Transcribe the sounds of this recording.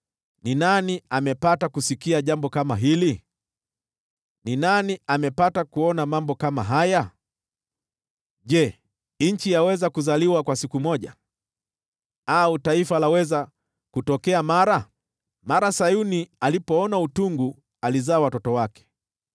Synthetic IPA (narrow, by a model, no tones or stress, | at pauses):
ninaniamɛpatakusikiaʄambɔkamaɦili | ninaniamɛpatakuɔnamambɔkama̰ɦaja | ʄɛ | ɲ̩t͡ʃijawɛzakuzaliwakwasikumɔʄa | autaifalawɛza | kutɔkɛamaɾa | maɾasajunialipɔɔnautuŋɡu | alizaːwatɔtɔwakɛ̥